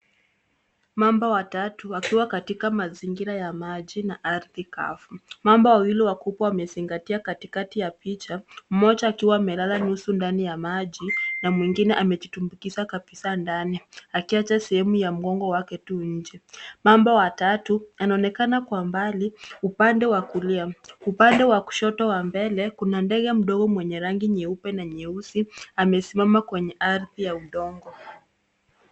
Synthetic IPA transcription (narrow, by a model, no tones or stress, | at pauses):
mambawatatuakiwakatikamaziŋɡiɾajamaʄinaʔaɾðika̰fumambawawiliwakupaamɛziŋɡatiakatikatijapit͡ʃam̩mɔt͡ʃaːkiwaːmɛlalanusundanijamaʄinamwiŋɡinɛʔamɛd͡ʒitumbukisakapisandaniakiat͡ʃasɛhɛmujam̩ɡɔŋɡɔwakɛtuɲ̩d͡ʒɛmambawatatuanaɔnɛkanakwambaliupandɛwakuliaupandɛwaku̥ʃɔtɔwambɛlɛkunandɛɡɛm̩ɗɔɡɔmwɛɲɛɾaŋɡiɲɛupɛnaɲɛusiamɛsimamakwɛɲɛʔaɾðijauɗɔŋɡɔ